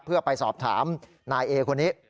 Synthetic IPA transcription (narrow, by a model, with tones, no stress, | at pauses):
pʰɯ˥˩əpa˧jsɔ̰ː˨˩p̚t̪ʰa̰ː˩˦m | naː˧jʔeː˧kʰo˧nːiː˦˥